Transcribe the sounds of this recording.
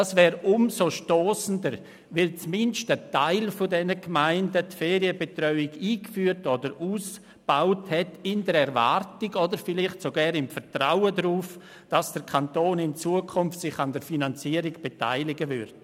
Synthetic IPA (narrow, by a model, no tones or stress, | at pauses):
asvɛːɾʊmsoʃtoːsəndəɾ | vɪlt͡smɪnʃtətaɪlfodɛnəɡmaɪndətfɛːɾiəbetrœʏɪɡiːkfyːɾtɔdəɾuːs | b̥aʊthɛtɪndəɾɛɾva̰ɾtɪɡɔdəɾfɪlɪχtsoɡɛːɾɪmfətɾaʊədɾuːf | d̥asd̥əɾkʰantoːnɪnt͡suːəkʰʊmftsɪχɑndəɾfinant͡siəɾɪɡb̥eta̰ɪlɪɡəvʏ̰ɾd